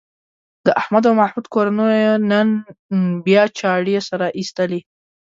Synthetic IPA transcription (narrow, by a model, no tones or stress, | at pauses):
d̪əʔahmad̪awmahmud̪koɾanəjnənbjɑt͡ʃɑɽesaɾaʔist̪əle